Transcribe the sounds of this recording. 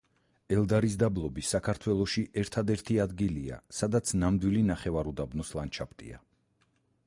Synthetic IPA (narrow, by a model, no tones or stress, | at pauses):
ɛlˠd̪aɾis̬d̪ablˠɔbisakʰaɾt̪ʰwɛlˠɔʃiʔɛɾt̪ʰad̪ɛɾt̪ʰiad̪ɡilia̰sad̪at̪sʰnamd̪wilinaχɛvaɾud̪abnɔslˠant͡ʃʰapʰt̪ʼḭa̰